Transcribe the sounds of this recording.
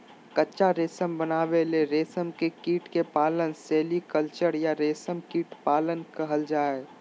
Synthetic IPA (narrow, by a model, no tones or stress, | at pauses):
kətːʃaɾeːsəmbənaːʋeleɾeːsəmkekiːʈkepaːlənseːlikəlt͡ʃəɾjaɾeːsəmkiːʈpaːlənkəɦəld͡ʒaːe